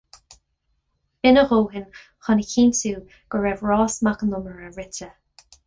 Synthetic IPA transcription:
b̥ɪnəɣoːɦɪn | xɔnəkʰiːntuː | ɡ̥əɹɛvɹɑːsmakənʊməɹəɹɪtə

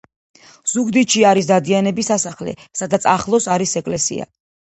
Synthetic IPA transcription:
z̥uɡd̪iʃiaɾis̬d̪ad̪ianɛbisasaχlɛ̰sad̪at̪sʰaχlˠɔsaɾisɛkʼlɛsḭa̰

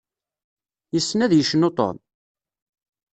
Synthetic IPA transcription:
jəsːnæðjəʃnot̪ˤo̰n

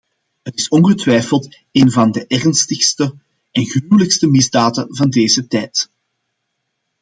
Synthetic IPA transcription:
ɦətɪsɔnɣətwɛjfəlˠt | eːnvɑndəʔɛrnstəxstə | ɛnɣryywləkstəmɪzdaːdəvɑndeːzətɛːjt

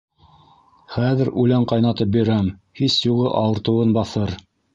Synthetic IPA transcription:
χæðɘɾʉlæɴqɑjnɑt̪ɤp̚biɾæmhisjuʁɤʔɑwɤ̆ɾt̪ɤ̆wɤnbɑθɤɾ

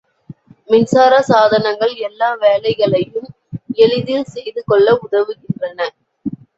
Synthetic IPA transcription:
mɪnsaːɾɐsaːðɐnɐŋɡɐɭɛlːaːʋeːlɐɪɣɐɭɐjɯm | ɛɻɯðɪlsɛjðɯkɔɭːɐʊðɐʋɯɣɪndrɐnɐ

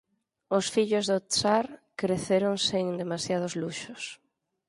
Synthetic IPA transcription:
ʊsfiʎʊzðot̪saɾkɾeθeɾoŋseŋd̪emasjað̞ozluʃʊs

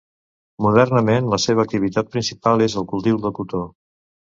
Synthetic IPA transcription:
muð̞ɛrnəmenləseβ̞əːk̚t̪iβit̪at̪̚pɾinsipalˠezəlˠkulˠt̪iwðəkut̪o

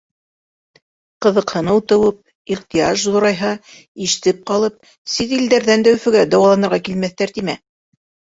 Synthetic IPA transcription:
qɤ̆ðɤ̆qhɤ̆nɤwt̪ɤ̆wɤp̚ | iχt̪ijɑʒzŏɾɑjɦɑ | iʃɘ̥̆t̪ɘp̚qɑlˠɤp̚ | sit̪ild̪æɾðænd̪æwfɘ̆ɡæd̪ɑwɑlˠɑnɤ̆ɾʁɑkilmæθt̪æɾt̪imæ

